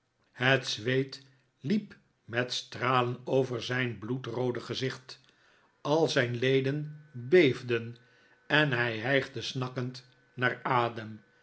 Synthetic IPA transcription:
hətsʋejt | lip | mɛtstraːlənowvəɹzɛjnblutrowdəχəzɪχt | ɑlˠzɛjnlejdənbejvdən | ɛnɦɛjɦɛjχdəsnɑkənt | naːɹaːdəm

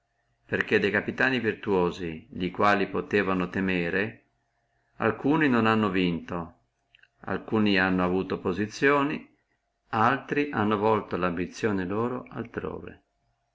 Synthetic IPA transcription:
perk̟ed̪ejkapit̪aːnivirt̪uoːziʎikwaːlipot̪eːvanot̪emeːɾe | a̰lkuːninonanːovint̪o | a̰lkuːnianːoavuːt̪opozit̪sːjoːni | alt̪ɾiʔanːovɔlt̪olambit̪sːjoːneloːɾoʔa̰lt̪ɾo̰ːvḛ

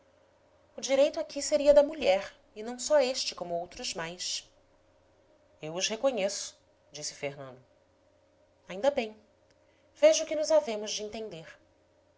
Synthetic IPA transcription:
ʊd͡ʒiɾejt̪ʊakiseɾiɐd̪ɐmuʎɛɾ | ɪnɐ̃w̃sɔeʃt͡ʃɪ̥kõmʊowt̪ɾʊzmajs | ewʊʃhekõɲesʊ̥ | d͡ʒisɪ̥feɾnɐ̃nd̪ʊ | aĩnd̪ɐbẽj̃ | v̥eʒʊkɪnʊzavẽmʊzd͡ʒɪẽnt̪ẽnd̪eɾ

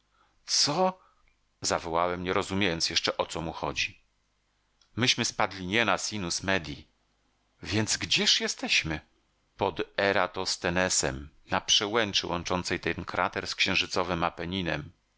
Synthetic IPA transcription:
t̪sɔ | zavɔwawɛmɲɛɾɔzumʲjejɔnt̪sjɛʂt͡ʂɛʔɔt̪sɔmuxɔ̰d͡ʑi | mɘɕmɘspad̪lʲiɲɛnasʲinusmɛd̪ʲji | vʲjɛnd̪zɡd͡ʑɛʂjɛst̪ɛɕmɘ | pɔd̪ɛɾat̪ɔst̪ɛnɛsɛ̰m | napʂɛwɛnt͡ʂɘwʔɔ̰nt͡ʂɔnt̪sɛjt̪ɛnkʰɾa̰t̪ɛɾskɕɛ̃w̃ʐɘt̪sɔvɘmapɛɲinɛm

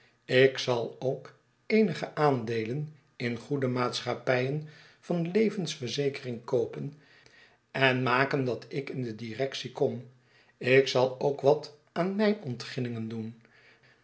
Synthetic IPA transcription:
ɪksɑlˠowk | ejnəχəʔaːndejlən | ɪnχudəmaːtsχapɛjən | v̥ɑnlejvənsfərzejkərɪŋkowpən | ɛnmaːkəndɑtʰɪkɪndədirɛksikɔm | ɪksɑlˠowkʋɑt | aːnmɛjnɔntχɪnɪŋəndun

